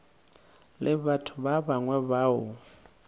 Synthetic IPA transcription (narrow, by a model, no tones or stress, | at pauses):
lʔɪβatʰʊβaβaŋwɛβaːʊ